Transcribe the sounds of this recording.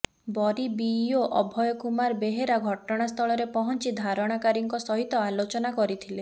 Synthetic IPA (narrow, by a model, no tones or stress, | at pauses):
bɔɾibijoʔɔbʱɔjɔkumaɾbeɦeɾaɡʱɔʈɔɽ̃ast̪ʰɔɭɔɾepɔɦɔnt͡ʃid̪ʱaɾɔɽ̃akaɾiŋkɔsɔɦit̪ɔalot͡ʃɔnakɔɾit̪ʰile